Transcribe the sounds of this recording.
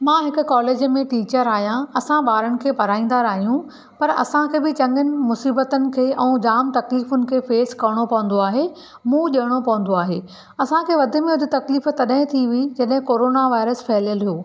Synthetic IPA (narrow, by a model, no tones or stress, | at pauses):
mãːɦɪkʊ̆kɔːleːd͡ʑmẽʈiːt͡ɕəɾaːɦijãɐsãɓaːɾəɽ̃ɪ̆kʰeːpɐɾaːĩːn̆d̪aːɾaːɦijũ | pɐɾɐ̰sãkʰeːbɪt͡ɕɐ̃ŋɡənɪ̆mʊsiːbət̪ənɪ̆kʰeːʔɛ̃ːd͡ʑaːmt̪ɐkliːfʊnɪ̆kʰeːfeːskɐɾɽ̃opɐʋə̃n̆d̪oaːɦe | mũːʄɐɽ̃opɐʋə̃n̆d̪oaːɦeː | ɐsãkʰeːʋɐd̪ʱɪ̆mẽʊd̪ʱɪt̪ɐkliːft̪ɐɗɦɪ̃t̪ʰiʋid͡ʑɐɗɦɪ̃koːɾoːnaʋaːɪɾəsfɛɦljəlijoː